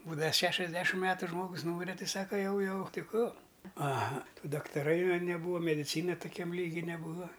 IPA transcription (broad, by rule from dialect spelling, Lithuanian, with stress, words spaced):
ˈbuːdɐʋɐ ˈʃʲæːʃʲɛzʲˌdʲæːʃʲɪm ˈmʲæːtʊ ˈʒmoːɡʊs ˈnuːmʲɪrʲɛ ˈtʲɪ ˈsɑːkɐ ˈjɛʊ ˈjɛʊ ˈtʲɪ ˈkuː ɐˈɣɐ ˈtuː dɐktɐˈrɐɪ ʋɐ nʲɛˈbuːʋɐ mʲɛdʲɪˈt͡sʲiːnɐ tʊˈkʲɛm ˈlʲiːɡʲɪ nʲɛˈbuːʋɐ